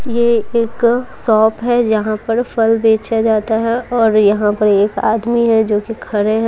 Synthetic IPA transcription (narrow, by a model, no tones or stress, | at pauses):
jeeːksɔːpɦɛd͡ʒɐɦãpɐɾfʰɐlbẽːt͡ʃad͡ʒaːt̪aɦɛɔːɾjɐɦãpɐɾeːka̰ːd̪miɦɛd͡ʒoːkikʰɐɾẽɦɛ̃